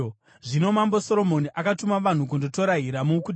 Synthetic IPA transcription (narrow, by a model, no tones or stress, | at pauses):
ʐino̞mamboso̞ɾo̞mo̞niʔakatumaʋan̤uk̬undoto̞ɾaɦiɾamuku